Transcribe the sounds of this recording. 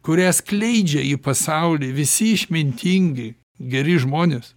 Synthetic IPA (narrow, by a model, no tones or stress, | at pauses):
kʊɾʲæsklʲɛɪd͡ʒʲɛipɐsɐʊlʲiːʋʲɪsʲɪɪʃʲmʲɪnʲt̪ʲiŋʲɡʲɪ | ɡʲɛɾʲɪʒmoːnʲeːs